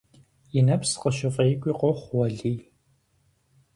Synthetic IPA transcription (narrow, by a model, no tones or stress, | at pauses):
jɪnɐpsqəʃɪfʼeːkʷʼiːqɔχʷwɐɮiː